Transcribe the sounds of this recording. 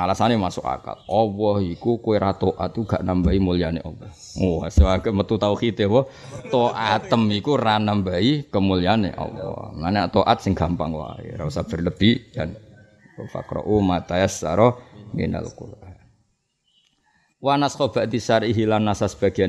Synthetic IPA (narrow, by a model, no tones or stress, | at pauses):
alasanemasʊka̰ka̰lɔwɔhikukoeɾat̪oʔat̪̚uɡ̥a̰ʔnambaimulianeʔɔwɔh | waswaɡəmət̪ut̪aukit̪ewɔ | t̪oʔat̪əmikuranambaikəmulijanḛʔɔ̰wɔ̰mlanat̪oʔat̪̚sɪŋɡ̥ampa̰ŋwa̰ḛɾausab̥ə̤rləb̥ijan | ufa̰kɾɔ̰ʔumat̪aasːa̰ɾɔŋḛna̰l̰kṵ | wanaskɔb̥aʔd̪isaɾiɦilanːasasə̥b̥a̤ɡ̥an